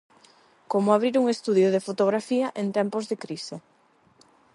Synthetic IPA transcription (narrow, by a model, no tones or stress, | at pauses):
komoaβ̞ɾiɾuŋest̪uðjoð̞efot̪oɣ̞ɾafiaʔent̪ɛmpozðekɾise